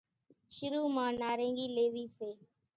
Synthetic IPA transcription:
ʃʊɾuːmãːnaːɾẽːŋɡiːleːʋiːseː

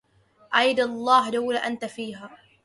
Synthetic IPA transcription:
ʔajd̪lˤːɑːɦd̪awlaʔant̪afiːɦaː

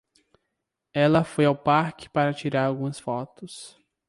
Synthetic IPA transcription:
ɛlɐfojawpaɾkɪ̥paɾɐt͡ʃiɾaɾawɡũmɐsfɔt̪ʊs

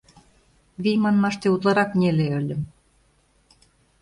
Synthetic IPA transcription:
βijmɑnmɑʃt̪eut̪lˠɑɾɑknʲeleølʲɘ̆m

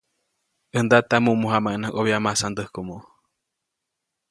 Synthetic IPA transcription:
ʔɨnd̪at̪amũʔmuɦamaʔnaʔoβiamasand̪əhkomo

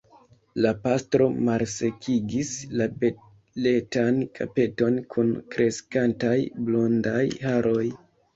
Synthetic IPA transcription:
lapastɾo̞malse̞kʰiɡislabe | letankʰa̰pe̞to̞nkʰunkɾe̞skantajblo̞ndajhaɾʔo̞j

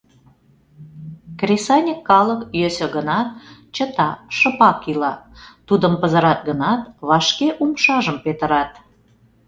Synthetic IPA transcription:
krʲesɑnʲəkːɑləkjøsø̆ɣənɑt̪̚ | t͡ɕət̪ɑʃə̆pɑkilɑt̪ud̪əmpəzəɾɑt̪̚ɡənɑt̪βɑʃkeʔumʃɑʒəmpet̪əɾɑt̪

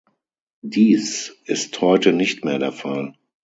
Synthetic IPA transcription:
diːsʔɪsthɔʏtənɪçtmeːɐdeːɐfal

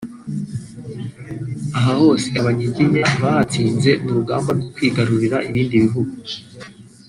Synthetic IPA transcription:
aɦaho̞ːse̞aβaɲiɟiɲaβahat͡siːnze̞muɾuɡaːmbaɾɡo̞kwiːɡaɾuɾiɾaʔiβiːndiβiɦuɡu

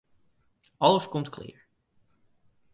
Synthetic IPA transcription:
ɑləskɔmtklɪ̰ːɹ

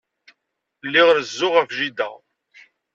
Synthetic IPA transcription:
lːiʁɾəzːʊʁækʒid̪æ̰

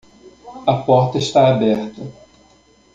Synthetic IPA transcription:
ɐpɔɾt̪ɐɪʃt̪aabɛɾt̪ɐ

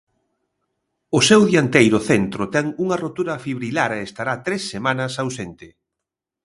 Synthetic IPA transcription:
ʊsewðjant̪ejɾʊθent̪ɾʊt̪ɛŋuŋɐrot̪uɾɐfiβɾilaɾeest̪aɾat̪ɾesːemanɐsawsent̪ɪ

